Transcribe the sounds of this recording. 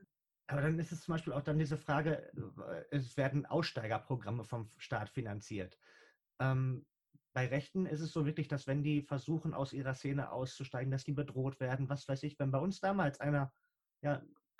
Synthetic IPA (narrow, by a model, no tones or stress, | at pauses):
ʔaːbɐɾanɪstɛst͡sʊmbaɪʃpiːlaʊxd̥andiːzəfʁ̥aːɡə | ʔɛsv̥eːɐdn̩ʔa̰ʊsʃtaɪɡɐpʁ̥oɡʁaməfɔmʃtaːtfinant͡siːɐt | ʔɛːm | b̥aɪʁɛçtn̩ɪs̬tɛsz̥oːvɪɐklɪçd̥asv̥ɛndiːfɛɐzuːxn̩ʔa̰ʊsʔiːʁɐseːnə̰ʔa̰ʊst͡suʃtaɪɡŋ̩dasd̥iːbədʁoːtv̥eːɐdn̩vasv̥aɪsɪçv̥ɛnbaɪʊnsd̥aːmaːlsʔaɪnɐ | jaː